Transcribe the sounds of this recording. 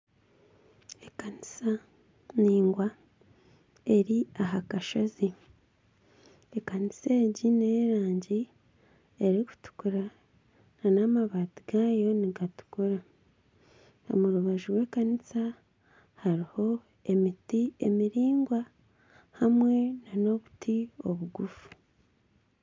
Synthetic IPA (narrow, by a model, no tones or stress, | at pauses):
ekanisa | niːŋɡwa | e̞ɾiaɦakaʃazi | ekaniseːɟine̞ːɾaːɲɟi | eɾiku̥tu̥kuɾa | nanamaβaːtiɡaːjo̞niɡatu̥kuɾa | o̰muɾuβaʒuɾwe̞ːkanisa | haɾiho̞ | emitiemiɾiːŋɡwa | hamwe̞nano̞βutʰio̞βuɡufu̥